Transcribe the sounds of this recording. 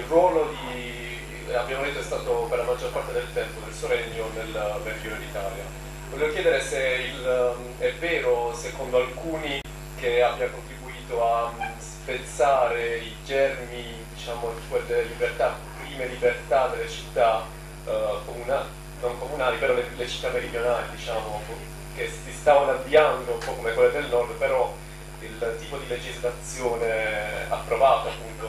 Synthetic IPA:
irwɔːlod̪i | abːjaːmod̪et̪ːoɛst̪aːt̪operlamad͡ʒːorpart̪ed̪elt̪ɛmpod̪elsoɾɛɲːonelverɡjuːned̪it̪aːlja̰ | voɔlevokjɛːd̪eɾeseil | ɛvɛːɾosekond̪oalkuːni | keabːjaokont̪ɾibuiːt̪oaspet̪saːɾeid͡ʒɛrmi | d̪it͡ʃaːmosued̪elːelibert̪a | pːɾiːmelibert̪ad̪elːet͡ʃit̪ːa | komunal | noŋkomunaːlipeɾɔlelet͡ʃi̥t̪ːamːeɾid̪jonaːlid̪it͡ʃaːmoapːu | kesist̪aːvanavːiand̪ompɔkːomekwelːed̪elnɔrd̪peɾɔ | ilt̪ːiːpod̪iled͡ʒizlat̪sːjoːnea̰pːɾovaːt̪oapːunt̪o

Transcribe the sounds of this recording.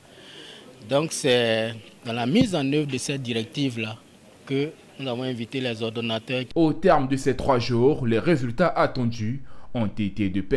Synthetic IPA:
d̪ɔ̃ksɛd̪ɑ̃lamizɑ̃nøvʁd̪əsɛt̪̚d̪iʁɛk̚t̪ivla | kə | nuzavɔ̃ɛ̃vit̪elɛzɔʁd̪onat̪œʁot̪ɛʁmd̪əsɛt̪χwaʒuːʁlɛʁezylt̪aʔat̪ɑ̃d̪yɔ̃t̪et̪ed̪əpɛ

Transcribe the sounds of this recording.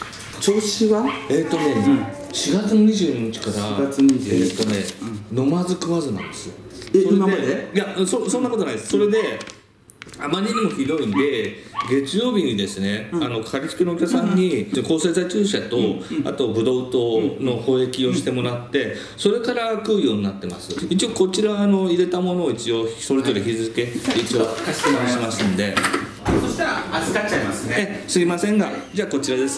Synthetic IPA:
t͡ɕoɕiβae̞ːt̪ːo̞ne̞ | ɕiɡat͡sɨnoɲ̟iʑɨ̟ːɲ̟iɲ̟it͡ɕi̥kaɾaeːt̪ːo̞ne̞no̞mazɨkɯ̟βazɨnã̰nd̪e̞sɨjosoɾed̪eijãsõsõ̞nːakot̪onaĩd̪esso̞ɾe̞d̪e̞ | amaɾʲiɲimo̞çiɾo̞ĩnd̪e̞ɡe̞t͡sɨjo̞ːbʲiɲ̟id̪e̞sɨne̞ano̞kʰaɾʲit͡sɨ̥kenokʲaksãɲ̟ːiko̞ːse̞ːzait͡ɕɨːɕat̪o̞a̰t̪o̞bɯ̟d̪o̞ɯt̪o̞ːno̞ho̞ːe̞kʲio̞ɕi̥t̪e̞mo̞ɾat̪ːe̞ | so̞ɾe̞kaɾakɯːjo̞ːɲ̟inat̪ːe̞ma̰sɨit͡ɕio̞ko̞t͡ɕiɾaːno̞iɾe̞t̪amono̞ːit͡ɕio̞so̞ɾe̞zo̞ɾe̞çizɨke̞it͡ɕio̞imãɕimasɨ̃nd̪e̞ | zaamasesɨɡʲimasẽ̞ŋɡad͡ʑaːko̞t͡ɕiɾad̪e̞sɨ̥

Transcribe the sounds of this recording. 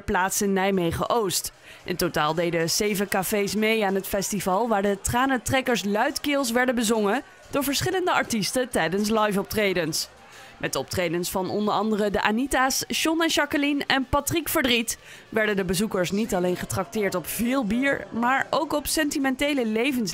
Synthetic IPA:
əplaːtsɪnːɛjmejχə̰ʔowst | ʔɪ̰ntotaːlˠdejdəzejvəkafejsmejaːnɦətfɛstivɑlˠʋaːɹdətraːnətrɛkəɹslœɥtkɪːlˠs̬ʋɛɹdəbəzɔŋə | d̥ʊːɹvəɹsχɪləndəɑɹtistətɛjdəns̬lɑjfɔp̚trejdəns | mʔɛtɔp̚trejdənsfɑnɔ̰ndəɹɑndərədəʔa̰nitaːsʃɔnɛnʃɑkəlinɛnpɑtrikfəɹdrit | ʋɛɹdəndəbəzukəɹsnitɑlejnχətrɑk̚tɪːɹtɔpv̥ɪːlˠbiːɹmaːɹowkɔpsɛntimɛntejləlejvəns

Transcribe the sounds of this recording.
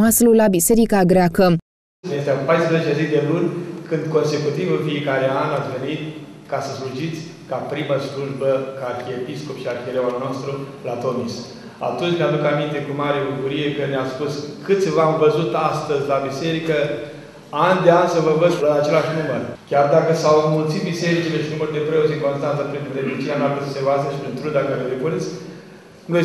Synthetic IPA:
aslulabise̞ɾikaɡɾeakə | jest̪eapajspɾəzet͡ʃezid̪e̞lunʲkɨnd̪ko̞nse̞kut̪ivɨnfie̞kaɾeanat̪sʲve̞nit̪ | kasəsluʒit̪sʲ | kapɾiməsluʒbəkartiepisko̞pʃiarxeɾewalnost̪ɾu | lat̪o̞mis | a̰t̪unt͡ʃnead̪ukamint̪e̞kumaɾebukuɾije̞kəneaspuskɨt̪sʲvamvəzut̪ast̪əzʲlabise̞ɾikə | and̪eanʲsəvəvəzʲlat͡ʃe̞laʃnumərkʲard̪akəsawmult̪sit̪̚bise̞ɾit͡ʃile̞ʃinuməɾd̪e̞pɾeoseŋko̞nst̪ant̪əpɾinind̪emit͡ʃianaɾpəsəsevazəʃi̥pɾint̪ɾud̪akaɾelepunisʲ | ɡə

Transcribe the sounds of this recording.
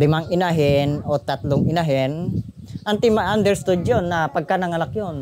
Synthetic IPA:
dɪmaŋɪnaɦɪnot̪at̪lʊŋɪnaɦɪn | ʔant̪imaʔand̪ɛɾst̪ud͡ʒjonːapaɡ̚kanaŋanakjon

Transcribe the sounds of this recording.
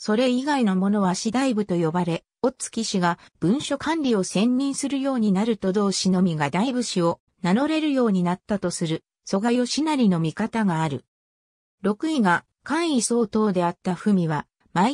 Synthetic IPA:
so̞ɾe̞iɡainomo̞no̞β̞aɕid̪aibɯ̟t̪o̞jo̞baɾe̞ | o̞t͡sɨ̥kʲiɕiɡab̥ɯ̟̃ɰ̃ɕo̞kʰãnɾʲio̞sẽ̞ɲɾʲĩɰ̃sɨɾɯjo̞ːɲ̟inaɾɯ̟t̪o̞d̪o̞ːɕino̞mʲiɡad̪aibɯ̟ɕio̞ | nano̞ɾe̞ɾɯ̟jo̞ːɲ̟inat̪ːat̪o̞sɨɾɯ̟ | so̞ɡajo̞ɕinaɾʲino̞mʲikat̪aɡaːɾɯ̟ | ɾo̞kɯ̟iɡa | kãɰ̃iso̞ːt̪o̞ːd̪e̞at̪ːaɸɯ̟mʲiβa | mai

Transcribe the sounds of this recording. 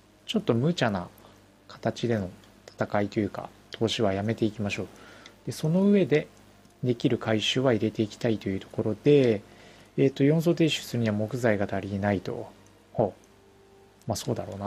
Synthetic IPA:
t͡ɕo̞t̪ːo̞mɯ̟t͡ɕana̰ | kʰḁt̪at͡ɕid̪e̞no̞ | t̪ʰḁt̪akait̪o̞jɯ̟ːka̰ | t̪ʰo̞ːɕiβajame̞t̪e̞ikʲimaɕo̞ːd̪̥e̞so̞no̞ɯ̟βe̞d̪e̞ | d̪e̞kʲiɾɯ̟kʰaiɕɨːβaiɾe̞t̪e̞ikʲi̥t̪ait̪o̞jɯ̟ːt̪o̞ko̞ɾo̞d̪e̞ː | t̪ːo̞jõ̞ñso̞ːt̪̬e̞ːɕɨ̥sɨɾɯ̟ɲ̟iβamo̞kɯ̟zaiɡat̪aɾʲienait̪o̞̰ | ho | maso̞ːd̪aɾo̞ːna

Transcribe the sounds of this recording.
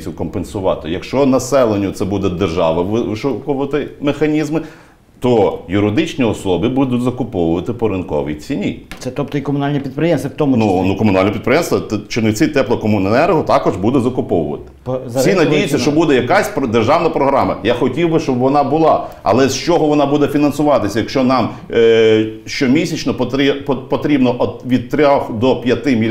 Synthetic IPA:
kɔmpensʊʋɑ̰t̪ɪjɐkʃt͡ʃɔnɐsɛlˠenʲːʊt̪sɛbud̪ɛd̪erʒɑʋɐʋʋɪʃukɔʋɐt̪ɪmexɐnʲizmɪ | t̪ɔjʊɾɪd̪ɪt͡ʃnʲiɔsɔbɪbud̪ʊtʲzɐkʊpɔʋʊʋɐt̪ɪpɔɾɪnkɔ̰ʋʲḭt͡sʲinʲit̪sɛt̪ɔp̚t̪ɔikɔmʊnɑlʲnʲipʲid̪̚pɾɪjɛmst̪ʋʲɐt̪ɔmʊnunukɔmʊnɑlʲnɔpʲit̪pɾɪjɛmst̪ʋɐt̪t͡ʃɪnɪtt͡s̪ʲɪt̪ɛplˠɔkɔmʊnnɛɾɦɔt̪ɑkɔʒbud̪ɛzɐkʊpɔʋʊ̰ʋɐ̰t̪ɪ̥psʲinɐdijɪt͡sʲːɐʃt͡ʃɔbud̪ɛjɐkasʲpɾɔd̪erʒɑwnɐpɾɔɦɾɑmɐ̰jaxɔtʲiwbɪʃt͡ʃɔbʋɔnɑbʊlˠɑɐ̰lˠɛst͡ʃɔɦɔʋɔnɑbud̪ɛfʲinɐnsʊʋɑt̪ɪsʲɐjɐkʃt͡ʃɔnɑm | ʃt͡ʃɔmʲisʲɐt͡ʃnɔpɔt̪ɾpɔt̪ɾʲibnɔʔɔʋʲid̪̚t̪ɾʲaxd̪ɔpʲjɐt̪ɪmʲi

